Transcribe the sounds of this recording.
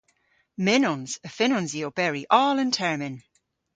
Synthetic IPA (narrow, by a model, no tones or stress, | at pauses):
mɪnɔnz̥əfɪnɔ̃nziob̥ɛɹiʔɔːlə̃ntʰɛɹmɪ̃n